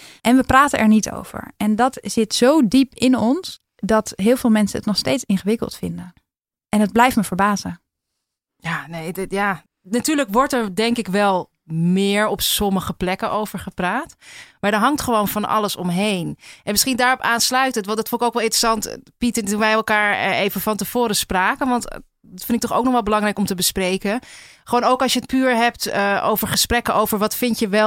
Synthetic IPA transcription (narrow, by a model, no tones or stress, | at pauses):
ʔɛnʋəpraːtənʔɛ̰ɹnitʰo̰wv̥ə̰ɹɛndɑtz̥ɪtsowdipɪnɔns | dɑtɦɪːlˠvɪːlˠmɛnsəə̰tnɔχstejtsɪnχəʋɪkə̰lˠtfɪndən | ʔɛnɦəd̚blɛjftməvəɹbaːzə | jaːnejjaː | natyːɹləkʋɔɹtɛɹdɛŋkɪkʋɛlˠ | mɪːɹɔpsɔməχəplɛkənʔowv̥əɹχəpraːtmaːɹdəɹɦɑŋtχəʋownfɑnɑ̰ləsɔmɦejnʔɛnmɪsχindaːrɔpaːnslœɥtəntʋɑndɑtfɔnɪkoʊkʋɛlˠɪntrəsɑntpitədunʋɛjɛlˠkaːɹejvəfɑntəv̥oːɾəspraːkənʋɑnt | dɑtfɪndɪk̚tɔχo̰wk̚nɔχʋɛlˠbəlɑŋrɛjkɔmtəbəsprejkəχəʋoːnowkɑlˠʃjəət̚pyːɹɦɛp̚təʔo̰wvəɹχəsprɛkənʔowvəɹʋɑtfɪntəʋɛ